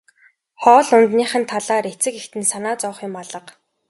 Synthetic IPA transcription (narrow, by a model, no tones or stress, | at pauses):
χɔːɮʊnt̪niːχə̆nt̪ʰaɮaːɾet͡sɘ̆kext̪ɘ̆nsanaːt͡sɔːχjʊmaɮə̆q